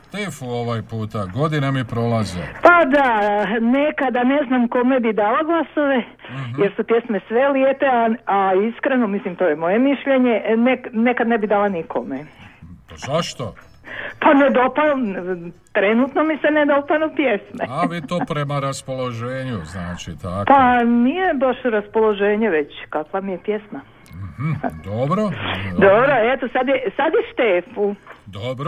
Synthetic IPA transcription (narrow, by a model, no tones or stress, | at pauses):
t̪efuoʋajpuːt̪aɡo̞d̪inamipɾo̞lazepad̪anekad̪ane̞znamko̞mebid̪aːlaɡlˠaso̞ʋe | jeɾsupje̞smesʋeliet̪eaaiskɾeno̞mislimt̪o̞jemo̞je̞miʃʎeɲe̞neknekad̪nebid̪aːlanikʰo̰mepazaʃt̪o | paned̪o̞panot̪ɾenuːt̪nomisened̪o̞panopjesmeaʋit̪oːpɾemaɾaspoloʒeːɲuznaːt͡ʃit̪apanijebaʃɾaspolˠo̞ʒeːɲeʋet͡ɕkakʋamijepjesma | h̩d̪obɾod̪obɾoet̪osad̪jesad̪jeʃt̪eːfud̪obɾ